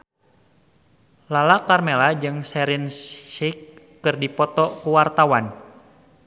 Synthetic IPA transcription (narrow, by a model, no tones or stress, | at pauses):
lalakarmɛlad͡ʒɨŋsɛɾinsʃikː | ɨrdipɔt̪ɔkuwart̪awan